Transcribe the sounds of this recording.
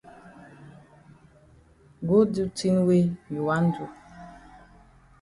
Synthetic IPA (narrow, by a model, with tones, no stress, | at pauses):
ɡo˦du˦ti˦n˦we˦ju˨wa˦n˦du˨